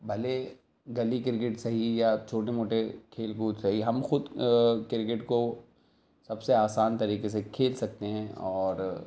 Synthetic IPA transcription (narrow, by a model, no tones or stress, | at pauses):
bʱɐle | ɡɐlikɪɾk̬ɪʈsɐɦijat͡ʃʰoːʈemoːʈekʰeːlɡuːtsɐɦiɦɐmxʊd̪kɪɾkɪʈko | sɐbseaːsaːnt̪ɐɾiːkes̬ekʰeːlsɐk̚t̪eɦɛ̃ːɔːɾ